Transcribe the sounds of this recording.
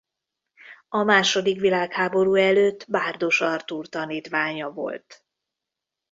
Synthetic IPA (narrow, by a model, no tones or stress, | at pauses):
ɒmaːʃo̞d̪ikʋilaːkhaːbo̞ɾuːɛløːt̪ːbaːrd̪o̞ʃɒrt̪uːrt̪ɒniːt̪ʋaːɲɒvo̞̰lt̪